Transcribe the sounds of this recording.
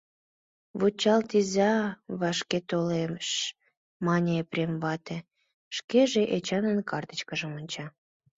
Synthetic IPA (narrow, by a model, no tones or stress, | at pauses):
βut͡ɕɑlt̪izʲɑβɑʃket̪olemʃ | mɑnʲeprʲemβɑt̪e | ʃkeʒeʔet͡ɕɑnənkɑrt̪ə̥t͡ɕkəʒə̆monʲt͡ɕɑ